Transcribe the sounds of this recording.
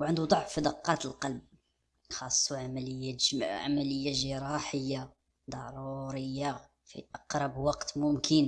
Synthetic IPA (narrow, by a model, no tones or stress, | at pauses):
wʕənd̪ud̪ˤɑʕfːid̪ɑqːɑt̪əlqɑlb̚ | xɑsˤːuʕamələjːæʕa̰mæləjːaʒəɾˤɑħəjːa | d̪ˤɑɾuɾəjːa | fḭʔɑqɾˤɑbwɑqt̪mʊmkʰən